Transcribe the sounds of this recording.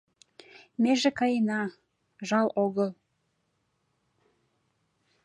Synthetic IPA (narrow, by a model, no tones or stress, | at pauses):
meʒekɑjnɑ | ʒɑloɣəlˠ